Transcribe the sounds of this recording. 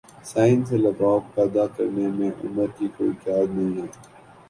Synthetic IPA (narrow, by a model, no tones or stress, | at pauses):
saːɪnselɐbaːkpɛːd̪akɐɾnemẽʔʊ̰məɾkikoːit̪aːd̪nɐɦĩɦɛː